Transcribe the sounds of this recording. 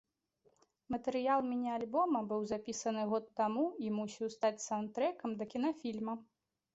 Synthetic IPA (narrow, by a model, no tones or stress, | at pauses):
mɐt̪ɛɾɨjalˠmʲinʲialʲbɔmɐbɨwzapʲisɐnɨɣɔt̪ːamuimusʲiwst̪at͡sʲsant̪ɾɛkɐmd̪ɐkʲin̪ɐfʲilʲmɐ